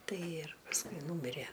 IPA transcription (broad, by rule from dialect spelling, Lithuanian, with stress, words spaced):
ˈtɐɪ ɪr pɐsˈkʊɪ ˈnuːmʲɪrʲiɛ